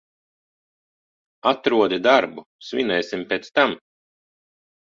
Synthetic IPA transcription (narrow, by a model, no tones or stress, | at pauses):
at̪ɾuɔd̪id̪aɾbusvʲinɛjsimpeːt̪st̪am